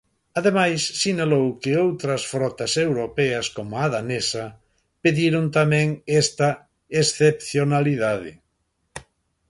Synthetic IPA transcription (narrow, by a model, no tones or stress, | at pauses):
aðemajsːinalowkɪowt̪ɾɐsfɾɔt̪ɐsewɾopɛɐskomʊaðanesɐ | peðiɾʊnt̪amɛ̃ŋɛst̪ɐ | esθepθjonaliðaðɪ̰